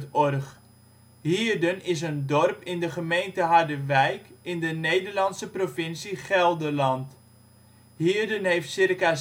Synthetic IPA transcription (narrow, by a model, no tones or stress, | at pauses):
tɔrχ | ɦiːrdənɪs̬əndɔrpɪndəχəmejntəɦardəʋɛjkɪndənejdərlɑnsəprofɪnsiχɛlˠdəlɑnt | ɦiːrdənɦejftsɪrka